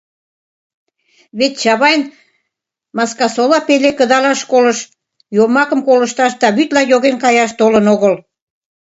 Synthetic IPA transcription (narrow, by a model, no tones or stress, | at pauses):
βet̪t͡ɕɑβɑjn | mɑskɑsolɑpelekəd̪ɑlɑʃkoləʃ | jomɑkəmkolə̆ʃt̪ɑʃd̪ɑβyt̪lɑjoɣenkɑjɑʃt̪olənoɣəl